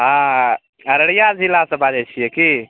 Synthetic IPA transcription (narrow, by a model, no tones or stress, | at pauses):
ɦã | əɾəɽijad͡ʒilasə̃bad͡ʒɛt͡ʃʰijɛki